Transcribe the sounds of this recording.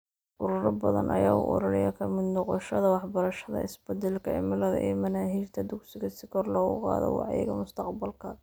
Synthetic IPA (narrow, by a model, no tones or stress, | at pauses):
ʔʊɾʊɾɐbɐðɐ̰nʔɐjaːʊ̰ʔɔ̰ɾɐlɪjɐkʰɐmɪd̪nɔqɔʃɐðɐwɑħbɐɾɐʃɐðɐ̰ɪsbɛd̪ɛlkʰɐɪ̰mɪlɐðɐ̰ʔiːmɐnaːɦiːrt̪ʰɐd̪ʊksɪɣɐsɪkʰɔrlɔːɣʊqɑ̰ːðɔ̰wɑ̰ʕjɛ̰ɣɐmʊst̪ʰɑqbɐlkʰɐ